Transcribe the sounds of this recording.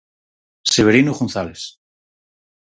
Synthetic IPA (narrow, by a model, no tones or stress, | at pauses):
seβeɾinuɣonθales